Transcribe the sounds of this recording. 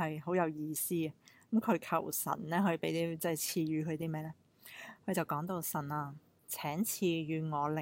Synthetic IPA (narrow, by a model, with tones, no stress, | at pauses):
hɐ˨jɦo˨˥wjɐ˨˧wjiː˧siː˥ɐ˨kɐ˨˥mkʰɵ˨˧ɥkʰɐ̰˨˩wsɐ̰˨˩nlɛː˥hɵ˨˧ɥpe˨˥jt̪iː˥t͡sɛ˥˩t͡sʰiː˧jyː˨˧kʰɵ˨˧t̪iː˥mɛː˥lɛː˥ | kʰɵ˨˧ɥt͡sɐ˨˩wkɔː˨˥ŋt̪o˧wsɐ˨˩naː˨˧ | t͡sʰɛː˨˥ŋt͡sʰiː˧jyː˨˧ŋɔː˨˧lɪ˨